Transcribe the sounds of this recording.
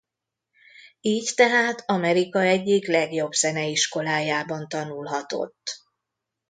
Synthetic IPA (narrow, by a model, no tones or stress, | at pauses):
iːct̪ɛɦaːt̪ʰɒmɛɾikɒɛɟːiklɛɡjo̞bsɛnɛiʃko̞laːjaːbɒnt̪ɒnulɦɒt̪o̞̰t̪ː